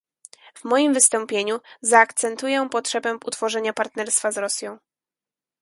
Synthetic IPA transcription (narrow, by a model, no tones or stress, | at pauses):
vmɔjimvɘst̪ɔ̃mpʲjeɲuzaːkt̪sɛnt̪ujɛpɔtʂɛbɛut̪fɔʐɛɲapaɾt̪nɛɾst̪fazɾɔsʲjɔ̃w̃